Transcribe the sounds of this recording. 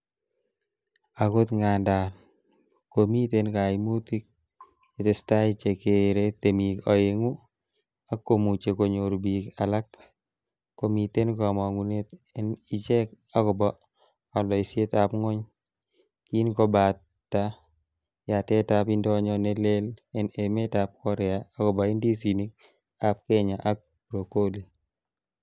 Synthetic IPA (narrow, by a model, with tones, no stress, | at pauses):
ako˦t̪ŋanda˨n | komi˦tenka˨imu˦ti˦k̚ | e˨tɪ˨sta˦it͡ʃekeɾetemikɔ˨jeŋu˦ | a˦kːo˨mu˨t͡ʃe˨ko˨ɲoɾbika˨la˦kː | o˨mite˦nkɔ˨mɔ˨ŋunetɪni˨t͡ʃe˦k | a˦kɔ˨bɔ | a˨lɔ˨ise˦tapŋɔ˦ɲ | ki˦nkɔba˨ | tːa | ja˨tɛtapindɔ˦ɲɔnelelɛnemetap̚kɔ˦ɾɛaa˦kɔ˨ba˨i˦ndi˦s̬ini˦k̚ | ap̚kɛɲaʔa˦k̚ | bɾo˨ko˦li